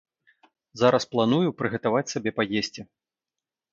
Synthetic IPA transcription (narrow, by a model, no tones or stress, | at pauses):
zaɾʔɐsplˠanujupɾɨɣɐt̪avat͡sʲsabʲɛpajesʲt͡sʲi